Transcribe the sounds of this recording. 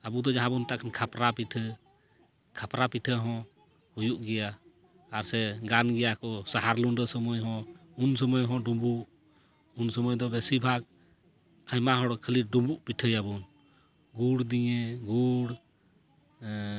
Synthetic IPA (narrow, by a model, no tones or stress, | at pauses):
abud̪ɔd͡ʒaɦãbunt̪aʔkʰankʰapɾapiʈʰə | kʰapɾapiʈʰəɦɔ̃ | hujuʔɡɛjaː | ɾsɛɡanɡɛjakɔsaɦaɾlunɖəsɔmɔjɦɔ̃unsɔmɔjɦɔ̃ɖɔmbuʔ | unsɔmɔjd̪ɔbɛsibʱak̚ | ajmaɦɔɽɔkʰəliɖɔmbuʔpiʈʰəjabun | ɡuɽd̪iɲɛɡuɽ